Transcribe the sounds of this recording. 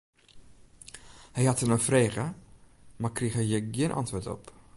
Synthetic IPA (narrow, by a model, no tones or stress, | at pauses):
hɛjhatənəfreːɣə | markrixhɛjjəɡjiənʔa̰ntʋotɔ̰p